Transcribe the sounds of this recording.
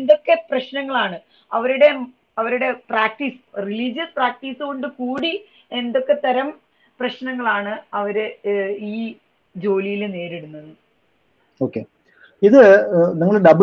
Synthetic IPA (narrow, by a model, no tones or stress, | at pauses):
end̪o̞kːe̞prɐɕnɐŋːɐɭaːɳɨ | ɐʋɐɾuɽe̞ | ɐʋɐɾuɽe̞praːk̚ʈiːsriliːd͡ʑɐspraːk̚ʈiːsɨɣo̞ɳɖɨkuːɽi | e̞nd̪o̞kːe̞t̪ːɐɾɐm | prɐɕnɐŋːɐɭaːɳɨɐʋɐɾɨiː | d͡ʑo̞ːlijilne̞ːɾeɽunːɐðɨ | o̞ːkːe | iðɨniŋːɐɭɖɐb